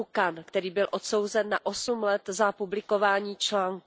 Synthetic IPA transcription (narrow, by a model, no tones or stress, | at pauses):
wkankt̪ɛɾiːbɪlʔo̞t̪so̞wzɛnːaʔo̞sumlɛt̪zapublɪko̞vaːɲiːt͡ʃlaːŋk